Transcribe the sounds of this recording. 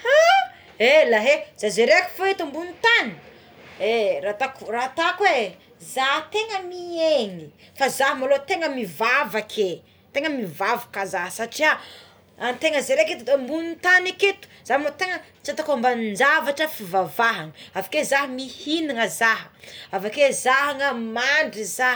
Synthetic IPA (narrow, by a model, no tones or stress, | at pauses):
ha | elaɦez̥azeɾeki̥foet̪ambunit̪ani̥ | erat̪akurat̪akwe | zaɦt̪eŋəmieŋifazaɦəmalot̪eŋəmivavakʰe | t̪eŋəmivavakazaɦsaʈ͡ʂia | ant̪eŋəzeɾeket̪ut̪embunit̪aneket̪u̥z̥amnot̪eŋə | t͡sat̪akambannd͡ʒavaʈ͡ʂəfivavaɦaŋəavakezaɦəmihiniŋəzaɦəavakezaɦaŋəmaɳɖ͡ʐiza